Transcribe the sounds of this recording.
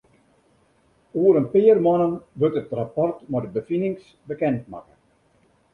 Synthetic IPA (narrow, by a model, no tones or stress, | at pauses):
uəɾənpɪərmɔnənʋøtətrapɔrtmɔdəbəfinɪŋs | bəkɛntma̰kə